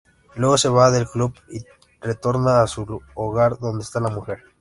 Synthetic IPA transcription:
lwe̞ɣo̞se̞βaðe̞lklubi | ret̪o̞ɾnaːsuloɣaɾd̪o̞nd̪est̪alamuxe̞ɾ

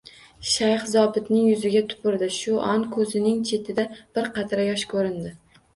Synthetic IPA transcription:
ʃajχzɒbɪt̪nɪŋjʊzɪɡʲat̪ʰʊ̥pɪɾd̪ɪʃʊʔɒnkʰɵzɪnɪŋt͡ʃʰe̞t̪ʰɪd̪ab̥ɪɾqʰɑt̪ʰɾajɒʃkʰɵɾɪnd̪ɪ

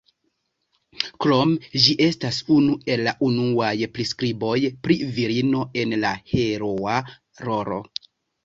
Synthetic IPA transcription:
kɾo̞md͡ʒiʔe̞stasunue̞lːaʔunuajpɾiskɾibo̞jpɾiviɾino̞e̞nlahe̞ɾoa | ɾo̞ɾo̞̰

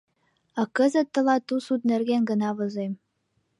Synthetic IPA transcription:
ɑkɤ̆zɘ̆t̪ːɤ̆lˠɑt̪usud̪nɘ̆rɡʲenɡɤ̆nɑβɤ̆zem

